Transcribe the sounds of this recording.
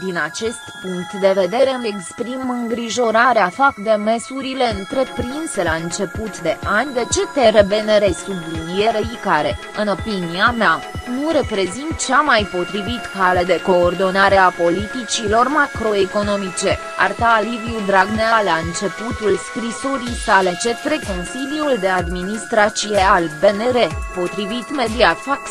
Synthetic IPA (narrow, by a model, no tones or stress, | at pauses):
d̪inat͡ʃe̞st̪puŋk̚t̪d̪e̞ve̞d̪e̞ɾemekspɾimmɨŋɡɾiʒo̞ɾaɾeafakd̪e̞me̞suɾile̞ɨnt̪ɾe̞pɾinse̞laɨnt͡ʃe̞put̪d̪e̞ʔanʲd̪e̞t͡ʃe̞t̪eɾebe̞neɾe̞sublinie̞ɾeikaɾe̞ | ɨno̞piniameanuɾe̞pɾe̞zint̪̚t͡ʃamajpo̞t̪ɾivit̪kale̞d̪e̞ko̞ːrd̪o̞naɾe̞apo̞lit̪it͡ʃilo̞rmakɾo̞eko̞no̞mit͡ʃe̞ | a̰rt̪aːliviud̪ɾaɡnealaɨnt͡ʃe̞put̪ulskɾiso̞ɾijsale̞t͡ʃe̞t̪ɾe̞ko̞nsiljuld̪e̞ad̪minist̪ɾat̪sijealbe̞ne̞ɾe̞po̞t̪ɾivit̪me̞d̪iat̪fak